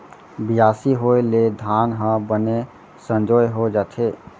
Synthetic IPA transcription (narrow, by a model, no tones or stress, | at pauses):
bɪjaːsiɦoeled̪ʱaːnɦə̃bəne | sə̃nd͡ʒoːjɦod͡ʒaːt̪ʰe